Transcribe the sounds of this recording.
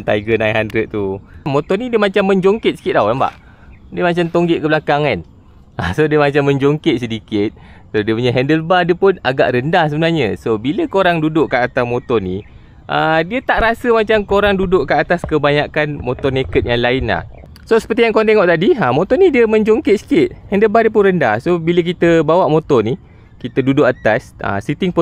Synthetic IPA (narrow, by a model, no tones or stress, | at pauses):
nt̪a̰iɡənajɦandɾət̪̚t̪umot̪ɔnidiəmat͡ʃamːəɲd͡ʒoŋkɪt̪̚sə̥kɪt̪̚dawamba̰ʔ | diəmat͡ʃamt̪oŋɡɪʔkəblakaŋan | asodiəmat͡ʃamːə̃ɲd͡ʒoŋkɪt̪̚sədikɪt̪̚sodiəpuɲaɦɛndəlbadiəpʊnaɡa̰ʔrəndahs̬əbənarɲəsobiləkoɾaŋdudʊʔkːaat̪amot̪ɔrnḭ | ʔədiət̪aʔɾasəmat͡ʃamkoɾaŋdudʊʔkəat̪askəbaɲakanmot̪ɔrnekət̪̚jaŋlaɪnla̰h | sosə̥pərt̪ijaŋkoaŋt̪eŋɔʔt̪adiamõt̪ɔnidiəməɲd͡ʒoŋkɪt̪̚si̥kɪt̪̚hɛndəlbadiəp̬ʊnrənda̰hsobilək̬it̪əbawaʔmot̪ɔni | kit̪ədudʊʔat̪asa̰sit̪ɪŋp